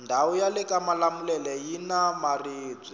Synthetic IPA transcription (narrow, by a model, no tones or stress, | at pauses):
ndʱaujalɛkamalamulɛlɛjinamariːb͡ʐi